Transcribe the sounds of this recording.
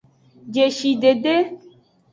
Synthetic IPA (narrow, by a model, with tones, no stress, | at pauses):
d͡ʒe˨ʃi˨ɖe˨ɖe˦